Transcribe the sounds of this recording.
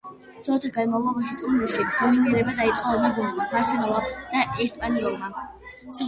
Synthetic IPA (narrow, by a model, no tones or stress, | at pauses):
t̪ʰɔt̪ʰaɡanmavlˠɔbaʃit̪ʼumiʃid̪̥ɔminiɾɛbad̪ait̪sʼqʼɔmad̪ɔnɔlˠmapʰaɾsɛnɔlˠad̪̥aʔɛst̪ʰpʼaniɔlˠma